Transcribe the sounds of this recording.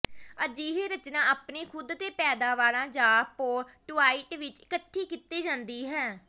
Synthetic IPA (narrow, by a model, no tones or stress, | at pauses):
əd͡ʒiːɦeːɾət͡ʃnãːaːpneːkʰʊd̪t̪eːpɛːd̪aːʋaːɾãːd͡ʒaːpoːʈuːaːiːʈʋɪt͡ʃɪkəʈʰːiːkɪt̪ːeːd͡ʒãːnd̪iːɦɛː